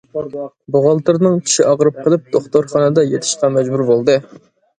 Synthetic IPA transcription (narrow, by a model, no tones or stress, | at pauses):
boʁɑlˠt̪ɨɾnɨŋkʲʰi̥ʃiʔɑʁɾɨp̚qʰəlˠɨp̚d̪̥oχt̪oɾχɑnɨd̪ɑjet̪ʰɪ̥ʃqɑmɛd͡ʒbuɾbolˠd̪ɨ